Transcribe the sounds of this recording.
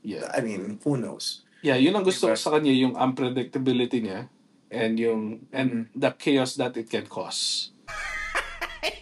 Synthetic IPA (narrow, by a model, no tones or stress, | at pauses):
jɛ̰a̰jmĩnɪnfuno̰s | jajʊnːɐŋɡʊst̪okosɐkɐɲajʊŋʔɐ̰̃mpɾɛd̪ɪk̚t̪ɐbɪlɪt̪iɲa | ʔɛ̃nd̪jʊŋʔɛ̃nd̪ɐkʰeosd̪ɐt̪ɪt̪̚kɛnkʰɔ̰s